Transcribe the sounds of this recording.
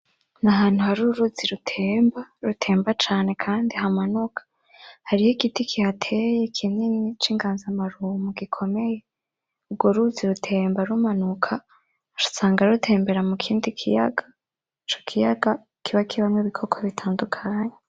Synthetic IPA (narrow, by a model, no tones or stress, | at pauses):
naɦaːn̥huhaɾuɾuziɾutʰe̞ːmbaɾutʰe̞ːmbat͡ʃaːne̞kʰaːndiɦamanukʰḁ | haɾihoɡitikʰihatʰe̞jekʰimɲenit͡ʃiːŋɡaːnzamaɾuːmuɡ̥ikʰo̞me̞je̞ | ubɡoɾuziɾutʰe̞ːmbaɾumanukʰa | ɾusaːŋɡaɾutʰe̞ːmbe̞ɾamukʰiːndikʰija̰ɡa | it͡ʃo̞̥kʰijaɡa | kiβakiβamweβikʰo̞kʰoβitʰaːndukʰaːɲe